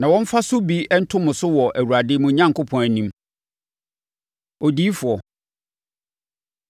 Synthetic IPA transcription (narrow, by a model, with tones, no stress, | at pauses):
nã˨wɔ̃˦m˦fa˦sʊ˦bi˦ɛ˦n̩˦tʰʊ̃˦mʊ̃˨sʊ˦wɔ˨ʔæ˨wu˨ɾa˨dɪː˦mʊ̃˨ɲã˦ŋkʰʊ˦pʰɔ̃˨næ˨nĩ˨˦m | ɔ˨di˦fʊ˨ɔ˨